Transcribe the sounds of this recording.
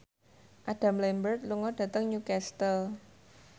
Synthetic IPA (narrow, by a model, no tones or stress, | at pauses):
ʔaɖ̥a̤mlɛmbərt̪̚luŋɔɖ̥ä̤t̪əŋɲukɛst̪əl